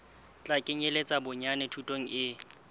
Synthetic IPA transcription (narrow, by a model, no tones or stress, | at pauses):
t͡ɬʼakʼɪɲelet͡sʼabʊɲanɛtʰutʼoŋ̩ʔɪ